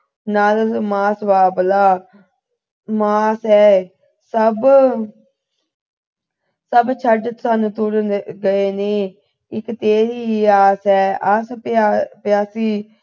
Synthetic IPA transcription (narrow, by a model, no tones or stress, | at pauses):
naːlmaːsʋaːbəlaː | maːsɛː | səb | səbt͡ʃʰəɖsanut̪ʊɾɡəeːneː | ɪkt̪eːɾiːaːsɛːəspːpjaːsiː